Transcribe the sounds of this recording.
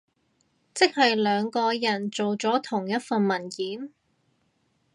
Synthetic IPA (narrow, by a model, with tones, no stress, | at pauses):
t͡sɪ˥k̚hɐ˨jlœː˨˧ŋkɔː˧jɐ˨˩nt͡so˨wt͡sɔː˨˥t̪ʰʊ˨˩ŋjɐ˥t̚fɐ˨nmɐ˨˩nkiː˨˥n